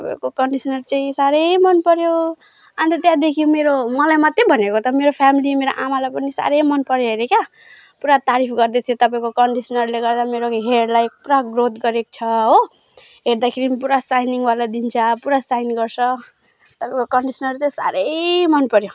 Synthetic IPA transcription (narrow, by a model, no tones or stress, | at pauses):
ttʌpa̰ĩkokʌɳɖisʌnʌrt͡saĩsaɾʌjmʌnpʌɾjo | ant̪et̪jãd̪ekʰijomeɾomʌlajmat̪ːebʱʌnekot̪ʌmeɾopʰamilimeɾoʔamalajpʌnisa̰ɾʌjmʌnpʌɾjʌɦeɾekja | puɾat̪aɾipʰɡʌrd̪ʌt̪ʰijot̪ʌpaĩkokʌɳɖisʌnʌrleɡʌrd̪ameɾoɦeɽlajk̚puɾaɡrot̪ɡʌɾeko̥t͡sʰʌɦo | ɦeɾd̪akʰeɾipuɾasajniŋbalad̪int͡sʰʌpuɾasajnɡʌrsʰʌ | t̪ʌpaĩkokʌɳɖisʌnʌrt͡saĩsa̰ɾʌjmʌnpʌɾjo